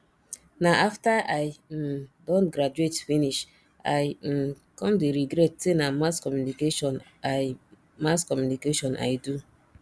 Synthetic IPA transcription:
naʔaftaʔaj̩ | dɔ̃ntɡɾad͡ʒuetfiniʃ | a̰j̩ | kɔ̃mdeɾiɡɾɛt̚tenamaskɔmjunikeʃɔ̃na | maskɔmjunikeʃɔ̃nʔa̰jdu

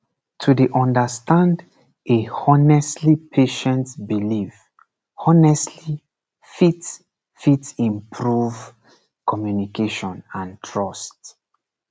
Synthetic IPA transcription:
tʰudeʔɔ̃ndəstãnd | ehɔnɛslipʰeʃɛ̃ntbiliv | ɔnɛstʰli | fit | fitĩmpʰɹuv | kʰɔmjunikeʃɔ̃nãntʰɹɔst

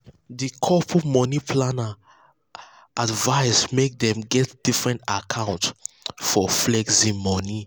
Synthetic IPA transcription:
dikʰɔpʰɔmɔnipʰlana | advaɪsmek̚dɛ̃mɡɛtd̥ifɹɛ̃ntakʰãʊ̃nt | fɔflɛɡsĩmɔni

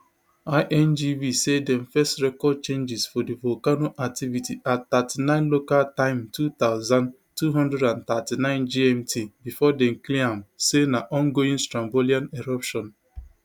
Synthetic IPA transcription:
aɪʔɛnd͡ʒivisedɛ̃mfɛstɹɛkɔd̚t͡ʃẽnd͡ʒɪzfɔdivɔlkanoʔak̚tivitiʔatt̪atinãɪ̃nlokaltãɪ̃mtut̪aʊzãn | tuɦɔ̃ndɹɛdãnt̪atinãɪ̃nd͡ʒiɛ̃mtʰibifɔdɛ̃m̩kliãmsenaʔɔ̃ŋɡoĩnstɾãmboliãneɾɔpʃɔ̃n

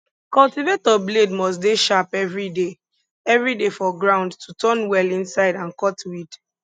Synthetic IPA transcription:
kɔltivetɔbledmɔs̬tdeʃapɛvɹide | ɛvɹidefɔɡɹãʊ̃ndtʰutɔ̃nwɛlĩnsaɪdãnkɔtwid

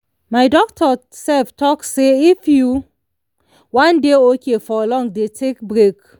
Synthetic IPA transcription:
maɪdɔktʰɔ | sɛftʰɔkseifju | wãndeokʰefɔlɔ̃ŋdetʰekbɹek

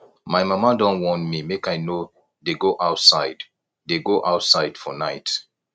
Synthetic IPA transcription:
maɪmamadɔ̃nwɔ̃ntmimekajno | deɡoʔaʊtsaɪd | deɡoʔaʊtsaɪdfɔnaɪt

